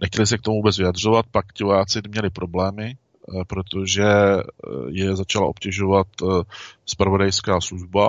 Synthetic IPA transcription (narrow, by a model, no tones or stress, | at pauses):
nɛxcɛlɪs̬ɛkt̪omuvuːbɛt͡svɪadr̝o̞vat̪̚pakcɪvojaːt͡sɪmɲɛlɪpɾʔo̞blɛːmɪ | pɾo̞t̪o̞ʒɛ | jɛzat͡ʃala̰ʔo̞pcɛʒo̞vat̪ | spɾavo̞dajskaːsluʒba